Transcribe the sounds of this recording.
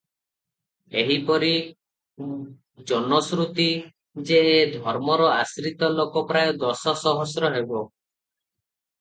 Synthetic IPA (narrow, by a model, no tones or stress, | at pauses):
eɦipɔɾi | d͡ʒɔnɔsɾut̪i | d͡ʒeed̪ʱɔɾmɔɾɔasɾit̪ɔlokɔpɾajɔd̪ɔsɔsɔɦɔsɾɔɦebɔ